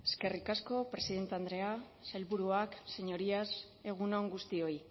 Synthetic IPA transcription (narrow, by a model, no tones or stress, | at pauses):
e̞ske̞rikasko̞pɾe̞siðe̞nt̪eand̪ɾe̞a | sajlβuɾuakse̞ɲo̞ɾias | e̞ɣ̞unoŋɡust̪io̞i